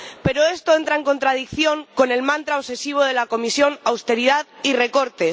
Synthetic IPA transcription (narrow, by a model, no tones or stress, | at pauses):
pe̞ɾoe̞st̪oe̞nt̪ɾae̞ŋko̞nt̪ɾað̞ikθjo̞ŋko̞ne̞lmãnt̪ɾaose̞siβ̞o̞ðe̞lako̞misjo̞nawst̪e̞ɾiðaðire̞ko̞ɾt̪e̞